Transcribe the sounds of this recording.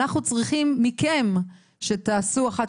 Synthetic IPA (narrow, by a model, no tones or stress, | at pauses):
aχnut͡sʁiχimːikem | ʃe̞t̪aːsuaχat